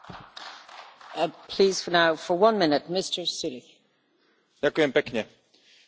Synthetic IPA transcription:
pʰl̥iːz̥fə˞naʊfə˞wʌ̃nmɪ̃nɪt̚mɪstə˞sɪɾɪ | dakʊɛ̃mpɛkɲɛ

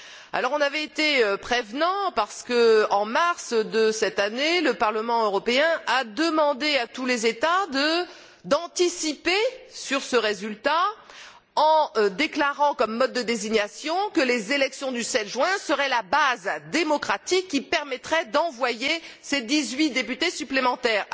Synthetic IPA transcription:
a̰lɔʁɔ̃navɛet̪eøpχevnɑ̃paʁsə̥kəɑ̃maʁsd̪əsɛt̪aneləpaʁləmɑ̃øʁɔpeɛ̃ad̪əmɑ̃d̪eat̪ulezet̪ad̪ə | d̪ɑ̃t̪isipesyʁsəʁezylt̪a | ɑ̃d̪eklaʁɑ̃kɔmːɔd̪̚ːəd̪eziɲasjɔ̃kəlezelɛksjɔ̃d̪ysɛt̪ʒɥɛ̃səʁɛlabazd̪emɔkχat̪ikːipɛʁmɛt̪χɛd̪ɑ̃vwajesed̪izɥid̪epyt̪esyplemɑ̃t̪ɛːʁ

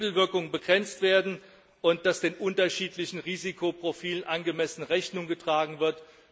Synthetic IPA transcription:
l̩vɪɐkʊŋənbəɡʁɛnt͡stv̥eːɐdn̩ | ʔʊnt̚d̥asd̥eːnʔʊntɐʃiːtlɪçn̩ʁiːzikʰopʁ̥ofiːlənʔanɡəmɛsnəʁɛçnʊŋɡətʁ̥aːɡŋ̩vɪɐt

